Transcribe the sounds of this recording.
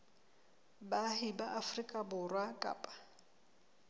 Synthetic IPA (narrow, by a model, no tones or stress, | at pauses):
bahɪbaʔafrikʼabʊrwakʼa̰ːpʼḁ